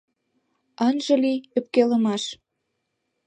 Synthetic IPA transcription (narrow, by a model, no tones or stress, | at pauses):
ɑnʒə̆liøp̚kelə̆mɑʃ